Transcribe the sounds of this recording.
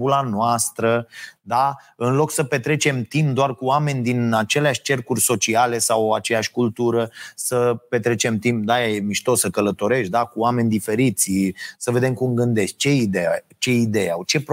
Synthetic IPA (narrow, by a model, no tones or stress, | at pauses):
ulanoast̪ɾəd̪aɨnlo̞ksəpe̞t̪ɾe̞t͡ʃe̞mt̪imp̚d̪oarkuoame̞nʲd̪inat͡ʃe̞leaʃʲt͡ʃe̞rkurʲso̞t͡ʃiale̞sawat͡ʃe̞jaʃʲkult̪uɾəsəpe̞t̪ɾe̞t͡ʃe̞mt̪imp̚d̪ajajemiʃt̪o̞sːəkələt̪o̞ɾe̞ʃt̪̚ʲd̪akuoame̞nʲd̪ife̞ɾit̪sʲsəve̞d̪e̞mkumɡɨnd̪e̞ʃt̪̚ʲt͡ʃe̞id̪eja | t͡ʃe̞id̪e̞ja̰wt͡ʃe̞p